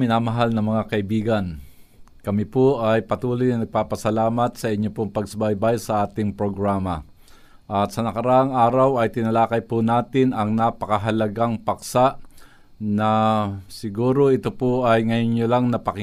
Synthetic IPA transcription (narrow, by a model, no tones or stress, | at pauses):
mɪnaːmɐɦalnɐŋmɐŋakɐʔɪbiːɡɐnkɐmɪpoʔɐjpɐt̪uːlojnɐnɐɡ̚paːpɐsɐlaːmɐt̪sɐʔɪɲːopoŋpɐɡ̚sbajbajsɐʔaːt̪ɪŋpɾoɡɾaːmɐ | ʔɐt̪sɐnɐkɐɾaʔaŋʔaːɾɐwɐjt̪ɪnɐlaːkɐjpʊnaːt̪ɪnɐŋnapɐkɐɦɐlɐɡaŋpɐksaʔ | nɐsɪɡuːɾo̞ʔɪt̪opoʔɐjŋɐjonɲolaŋnɐpɐkɪ